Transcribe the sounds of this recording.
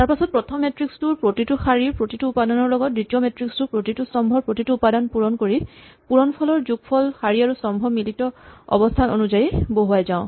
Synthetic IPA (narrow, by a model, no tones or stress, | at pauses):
taɹpasɔt̚pɹɔtʰɔmːetɹikstuɹpɹotituxaɹiɹpɹotituupadɔnɔɹlɔɡɔt̚ditiometɹikstupɹotitusɔmbʱɔɹpɹotituupadɔnpuɹɔnkoɹipuɹɔnpʰɔlɔɹzuɡ̚pʰɔlxaɹiaɹusɔmbʱɔmilitɔɔ̰bɔstʰanonuzajiboɦuajzãʊ̃